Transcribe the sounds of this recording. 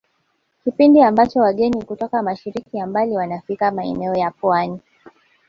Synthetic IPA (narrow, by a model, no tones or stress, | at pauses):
kipindiambat͡ʃɔwaɠɛnikutɔkamaʃiɾikijambaliwanafikamaɛ̰nɛɔjapwani